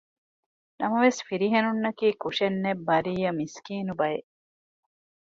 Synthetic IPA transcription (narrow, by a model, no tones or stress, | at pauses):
nʔɐmɐʋesfiɾiɦenunːɐkiːkuʃenːebːɐɾiːjɐmiskiːnubɐje